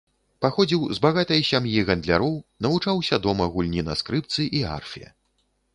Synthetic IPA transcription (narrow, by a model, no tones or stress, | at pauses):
paxɔd͡zʲiwzbaɣat̪ɐjsʲamjiɣɐnd̪lʲaɾɔwnɐvut͡ʂawsʲɐd̪ɔmɐɣulʲnʲinɐ̰skɾɨp̚t̪sɨʔia̰rfʲijɐ̰